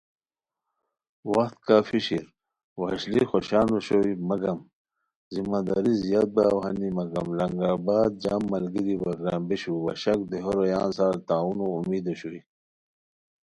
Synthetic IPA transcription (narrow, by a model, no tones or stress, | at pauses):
wɐxt̪kaːfiɕiɾ | wɐɕlixoɕaːnoɕoimɐɡɐm | zimaːd̪aːɾizijaːt̪̚bawɦɐnimɐɡɐmlɐŋɡaːbaːd̪̚d͡ʑaːmːɐlɡiɾibɐɡɾaːmbeɕuwɐ̰ɕɐk̚d̪eɦoɾojaːnsaːɾt̪aːunoumiːd̪oɕoi